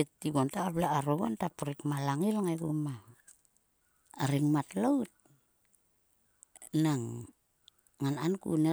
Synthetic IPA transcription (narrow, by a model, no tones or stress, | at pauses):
itːiɡontaːblaːɾoɡo̰ntapuɾikmalaŋilŋajɡuma | ɾiŋmatlowt̚ | naŋ | ŋanankṵne